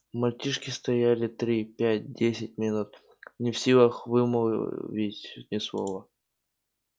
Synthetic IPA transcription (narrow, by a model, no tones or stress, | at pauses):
mɐlʲt͡ɕʲiʂkʲɪst̪ɐjælʲɪt̪ɾʲipʲæt̚ʲdʲesʲɪt̚ʲmʲɪnut̪̚ | nʲɪfsʲilˠəxvɨmo̰vʲidʲɪt̪ʲnʲɪslˠovə